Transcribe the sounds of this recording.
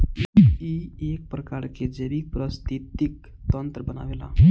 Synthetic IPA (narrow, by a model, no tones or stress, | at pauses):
iek̚pɾəkaːɾked͡ʒebik̚pɾəst̪it̪ik | t̪ənt̪ɾəbəna̰ːʋela̰ː